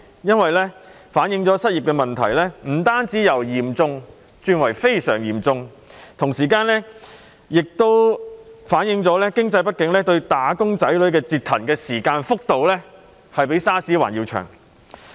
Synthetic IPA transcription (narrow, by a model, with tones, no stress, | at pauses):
jɐ˥nwɐ˨jlɛː˥ | faː˨˥njɪ˧ŋt͡sɔː˨˥sɐ˥t̚ji˨p̚kɛː˧mɐ˨nt̪ʰɐ̰˨˩jlɛː˥m̩˨˩t̪aː˥nt͡siː˨˥jɐ˨˩wjiː˨˩mt͡sʊ˧ŋ | t͡ʃyː˧nwɐ˨˩jfe˥jsœ̰ː˨˩ŋjiː˨˩mt͡sʊ˧ŋ | t̪ʰʊ˨˩ŋsiː˨kaː˧nlɛː˥ | jɪ˨k̚t̪o˥wfaː˨˥njɪ˧ŋt͡sɔː˨˥lɛː˥kɪ˥ŋt͡sɐ˧jpɐ˥t̚kɪ˨˥ŋlɛː˥t̪ɵ˧ɥt̪aː˨˥kʊ˥ŋt͡sɐ˨˥jlɵ˨˥ɥkɛː˧t͡siː˧t̪ʰːɐ˨˩nkɛː˧siː˨˩kaː˧nfʊ˥k̚t̪o˨wlɛː˥ | hɐ˨jpe˨˥jsaː˥siː˨˥wa̰ː˨˩njiː˧wt͡ʃʰœ̰ː˨˩ŋ